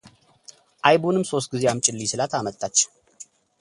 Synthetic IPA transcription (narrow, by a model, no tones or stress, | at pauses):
ʔajbunɨmso̞s̬t̪̚ɡizejamt͡ʃʼɪlːisɨlat̪ʰamət̪ʼːat͡ʃː